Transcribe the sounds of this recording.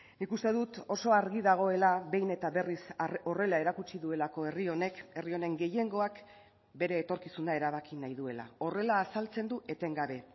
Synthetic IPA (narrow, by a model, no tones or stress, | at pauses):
nikust̪e̞ðut̪o̞so̞aɾɣiðaɣ̞o̞e̞laβe̞jne̞t̪aβe̞riso̞re̞laeɾakut͡ʃiðue̞lako̞e̞rio̞ne̞ke̞rio̞ne̞ŋɡe̞je̞ŋɡo̞ak | be̞ɾe̞ːt̪o̞ɾkisunae̞ɾaβ̞akinajðue̞la̰o̞re̞laːsalt͡se̞nd̪uʔe̞t̪e̞ŋɡaβe̞